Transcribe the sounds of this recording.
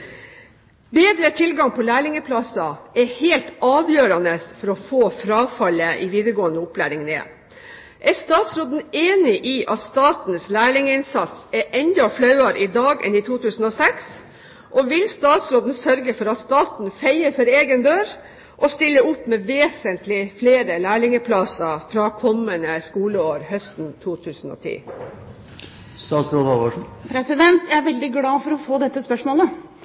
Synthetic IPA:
beːd̪ɾət̪ʰɪlɡɑŋpʰɔlæːɭɪŋəpʰlɑsɑɛheːlt̪ɑːʋjøːɾɑnəsfɔɾɔfoːfɾɑːfɑləʔiʋiːd̪əɾɡoːənəʊplæ̰ːɾɪŋnḛː | ʔæɾst̪ɑːt̪sɾoːd̪n̩eːnɪʔiːʔɑt̪st̪ɑːt̪nslæːɭɪŋəɪnsɑt̪sɛʔɛnd̪ɑflɑʉɑɾɪd̪ɑːɡɛ̰nit̪ʰuːt̪ʰʉːsn̩ɔːsɛks | ʔɔʋɪlst̪ɑːt̪sɾoːd̪n̩sœɾɡəfɔɾɑt̪st̪ɑːt̪nfæɪəfɔɾeːɡənd̪øːɾ | ʔɔst̪ɪlːəʊpːmeːʋeːsənt̪lɪfleːɾəlæːɭɪŋəpʰlɑsəfɾɑːkʰɔmːənəskuːləoːɾhœst̪nt̪ʰuːt̪ʰʉːsən̩o̰ːt̪ʰḭː | st̪ɑːt̪sɾoːd̪ʋɑʂpʰɾɛsɪd̪ɛnt̪jææʋɛld̪ɪɡlɑːfɔɾɔfoːd̪ɛt̪ːəspœʂmoːlə

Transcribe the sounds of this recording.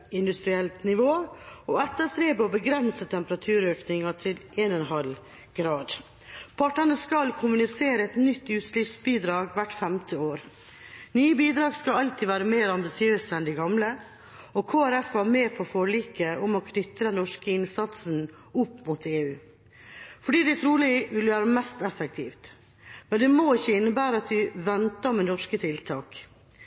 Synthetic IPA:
ɪnd̪ʉst̪ɾɪɛlt̪nɪʋoːɔɛt̪ːəst̪ɾeːbəɔbəɡɾɛnsət̪ʰɛmpəɾɑt̪ʰʉːɾøːknɪŋɑʈʰɪlʔeːnɛnɦɑl | ɡɾɑːd̪ | pʰɑʈːənəskɑlkʰʊmʉnɪseːɾəɛt̪nʏt̪ːʉːt̪slifsbiːd̪ɾɑːɡʋæʈfɛmt̪ʰəoːɾ | nyːəbiːd̪ɾɑːɡskɑɑlt̪ʰiːʋæːɾəmeːɾɑmbɪsɪøːsəɛnd̪ɪɡɑmlə | ɔkʰoːæɾɛfæːɾmeːpʰɔfɔɭiːkəʔʊmɔkʰnʏt̪ɾənɔʂkəɪnsɑt̪sn̩ | ʊpːmut̪ʰeːʉː | fɔɖiːd̪ɛt̪ʰɾuːlɪʋɪləʋæːɾəmɛst̪ɛfək̚t̪ʰḭːft̪ | mɛnd̪ɛmɔɪçːəɪnːəbæːɾəɑt̪ʋɪʋɛnt̪ɑmɛnɔʂkət̪ʰɪlt̪ʰɑːk

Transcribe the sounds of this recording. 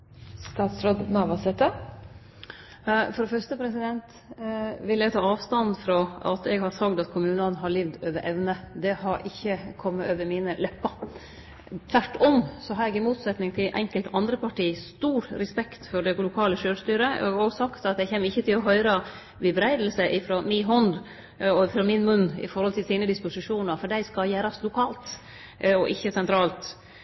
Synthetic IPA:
st̪ɑːt̪sɾoːd̪nɑʋɑsɛt̪ə | fɔɾd̪ɛfœɾʂʈ̪əpʰɾɛsɪd̪ɛnt̪ | ʋɪljɛɡt̪ʰɑːɑːʋst̪ɑnfɾɔɑ̰t̪ɛɡhɑɾsɑɡd̪ɑt̪kʰʊmʉːnənɦɑɾɭiːʋd̪øːʋəɾʔɛʋnəd̪ɛhɑɾʔɪçːəkʰɔmːəøːʋəɾmiːnəlɛpːɑ | t̪ʰʋæʈːɔmsɔɦɑɾɛɡɪmuːt̪sɛt̪nɪŋt̪ʰɪlʔɛ̰ŋkəlt̪ʰɑnd̪ɾəpʰɑʈʰiːst̪uːɾɾɛspɛkt̪fɔɖɛlʊkʰɑːləʃøːɾst̪yːɾəɡɔsɑkt̪ɑt̪jæɡçeːmːəɾɪçːət̪ʰɪlɔɦœʏɾɑ | ʋɪbɾæɪd̪l̩səʔɪfɾoːmɪɦɔnd̪ | ɔɪfɾɑːmɪnmʉnːɪ̰fɔɾhɔlt̪ʰɪlsiːnəd̪ɪspʊsɪʂuːnɑɾfɔɖæɪskɑjæːɾɑslʊkʰɑːlt̪ | ɔʔɪçːəsɛnt̪ʰɾɑːlt̪

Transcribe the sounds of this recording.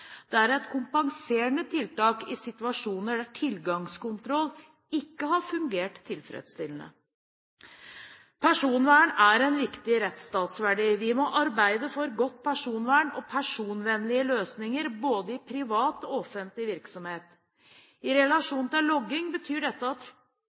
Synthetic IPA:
d̪̥ɛæɾɛt̪kʰʊmpɑŋseːɳət̪ʰɪlt̪ɑːkɪsɪt̪ʋɑʂuːnəɖæʈʰɪlɡɑŋskʊnt̪ʰɾɔlː | ɪkːəhɑɾfʉŋɡeːʈt̪ʰːɪlfɾɛ̰d̪st̪ɪlnə̰ | pʰæʂuːnʋæːɳæɾɛnʋɪkt̪ɪɾɛt̪st̪ɑːt̪sʋæɖiːʋɪmɔʔɑɾbæɪd̪əfɔɾɡɔt̪̚ːpʰæʂuːnʋæːɳɔpʰæʂuːnʋɛnlɪəløːsnɪŋəɾboːd̪əɪpʰɾɪʋɑːt̪ɔɔfənt̪lɪʋɪɾksɔmheːt̪ | ɪɾɛlɑʂuːnn̩t̪ɪllɔɡːɪŋbət̪ʰyːɖɛt̪ːəɑt̪

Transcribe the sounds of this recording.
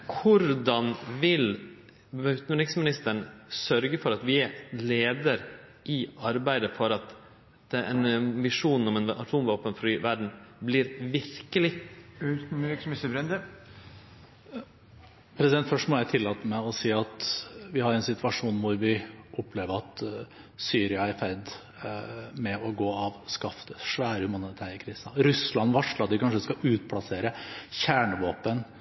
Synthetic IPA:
kʰʊɾd̪ɑnʋɪl | ʉʉt̪nʉɾɪksmɪnɪst̪əɳsœɾɡəfɔɾɑt̪ʋɪæɾleːd̪əɾʔɪɑɾbæɪd̪əfɔɾɑt̪ | d̪̥ɛʔɛnʋɪʂuːnɔmɛnɑ̰t̪ʰuːmʋoːpənfɾyːʋæɖɳ̩blɪːɾʋɪɾkəlɪt̪ɾɪksɪsbɾɛnd̪ə | pʰɾɛsɪd̪ɛnt̪fœʂʈmɔjæɪt̪ʰɪlːɑːt̪əmɛɔsiːɑt̪ʋɪhɑɾɛnsɪt̪ʋɑʂuːnʋʊɾʋɪʔʊpːleːʋəɾɑt̪ | syːɾɪɑæɾfɛɾd̪ | mɛɔɡoːɑʋskɑft̪əʂʋæːɾəhʉmɑnɪt̪ʰæːɾəkʰɾiːsɑɾʉslɑnːʋɑʂləɾɑt̪̚ʋɪkʰɑnʂəskɑʔʉːt̪̚pʰlɑseːɾəçæːɳəʋoːpən

